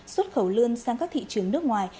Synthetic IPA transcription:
swə˦˥t̚xə˧˩wlɨ˧ənsaː˧ŋkaː˦˥kt̪ʰḭ˧˨t͡ɕɨ˨˩˦əŋnɨ˦˥ək̚ŋwaː˨˩j

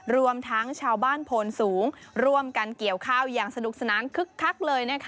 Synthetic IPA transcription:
ɾu˧əmt̪ʰa˦˥ŋt͡ɕʰaː˧wbaː˥˩npʰoː˧nsuː˩˦ŋɾu˧˩əmka˧nki˨˩əwkʰaː˥˩wjaː˨˩ŋsa˧nu˨˩k̚sa˧naː˩˦nkʰɯ˦˥kʰːa˦˥k̚lɤː˧jna˦˥˩kʰ

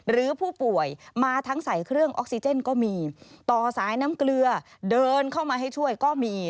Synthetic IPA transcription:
ɾɯː˩˦pʰuː˥˩pu˨˩əjmaː˧t̪ʰa˦˥ŋsa˩˦jkʰɾɯ˥˩əŋʔo̰˦˥k̚si˧t͡ɕe˥˩nkɔː˥˩miː˧t̪ɔː˨˩saː˩˦jna˦˥mklɯ˧ɐdɤː˧nkʰa˥˩wmaː˧ɦa˥˩jt͡ɕʰu˥˩əjkɔː˥˩miː˧

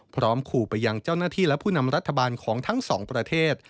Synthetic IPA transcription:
pʰɾɔː˦˥mkʰuː˨˩pa˧jːa˧ŋt͡ɕaː˥˩wnaː˥˩t̪ʰiː˥˩lɛ˦˥pʰuː˥˩na˧mɾa˦˥t̪ʰːa˧baː˧nkʰɔː˩˦ŋt̪ʰa˦˥ŋsɔː˩˦ŋpɾa˧t̪ʰeː˥˩t̪̚

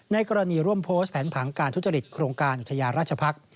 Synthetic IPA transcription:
na˧jkɔː˧ɾa˧niː˧ɾu˥˩əmpʰoː˦˥st̪̚pʰɛː˩˦npʰaː˩˦ŋkaː˧nt̪ʰu˦˥t͡ɕa˧ɾi˨˩t̪̚kʰɾoː˧ŋkaː˧nʔu˨t̪ʰːa˧jaː˧ɾaː˥˩t̚t͡ɕʰa˧pʰa˦˥k̚

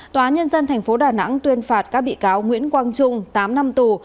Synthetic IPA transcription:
t̪wːaː˨˦nɲə˧nzə˧nt̪ʰɛ˨˩ŋ̟fo˨˦ɗaː˨˩na̰˧˥ŋt̪wi˧ənfaː˨˩t̚kaː˦˥k̚ɓḭ˧˨kaː˨˦wŋwḭ˧˥ənkwaː˧ŋt͡ɕʊ˧ŋ͡mt̪aː˨˦mna˧mt̪u˨˩

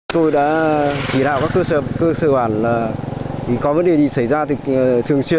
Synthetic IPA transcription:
t̪o˧jɗa̰ː˧˥t͡ɕi˧˩ɗa̰ː˧˨˩wkaː˦˥kːəː˧sə˧˩kəː˧səː˧˩ɓaː˧˩nlaː˨˩i˨˧˩kɔ˨˦və˨˦nɗe˨˩ɗi˨˩sə˧˩jzaː˧t̪ɨ˨˩˨t̪ʰɨ˨˩əŋswi˧ə˨n

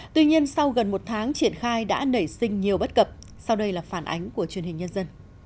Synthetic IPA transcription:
t̪wi˧ɲi˧ənsa˧wɣə˨˩nmo˨˩t̚t̪ʰaː˨˦ŋt͡ɕi˧˩ənxaː˧jɗa̰ː˧˥nə˧˩jsï˧ŋ̟ɲi˨˩əwɓə˦˥t̚kə˨˩p̚ | sa˧wɗə˧jlaː˨˩faː˧˩nʔa̰˨˦jŋ̟ku˧˩ət͡ɕwi˨˩ənhï˨˩ŋ̟ɲə˧nzə˧n

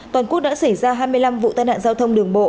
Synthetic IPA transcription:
t̪waː˨˩nkək̚ɗa̰ː˧˥sa˧˩jzaː˧ɦaː˧jmɨ˧əjla˧mvṵ˧˨t̪aː˧jna̰ː˧˨zaː˧wt̪ʰə˧wŋ͡mɗɨ˨˩əŋɓo̰˧˨

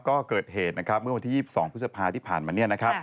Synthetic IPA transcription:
kɔː˥˩kɤː˨˩t̪̚heː˨˩t̪̚na˦˥kʰɾa˦˥p̚mɯ˥˩wa˧nt̪ʰiː˥˩iː˥˩p̚sɔː˩˦ŋpʰɯ˦˥sa˧pʰaː˧t̪ʰiː˥˩pʰaː˨˩nmaː˧ni˥˩ɐna˦˥kʰɾa˦˥p̚

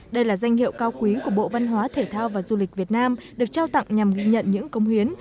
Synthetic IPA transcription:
ɗə˧jlaː˨˩za˧jŋ̟hḭ˧˨əwkaː˧wkwi˨˦ku˧˩əɓo̰˧˨va˧nɦwaː˨˦t̪ʰe˧˩t̪ʰaː˧wvaː˨˩zu˧li˨˩k̚vi˨˩ət̚naː˧mɗɨ˨˩ək̚t͡ɕaː˧wt̪a̰˧˨ŋŋ͡mɲa˨˩mɣi˧ɲə̰˧˨nɲɨ̰˧˥ŋkə˧˦wŋ͡mhwi˨˦ən

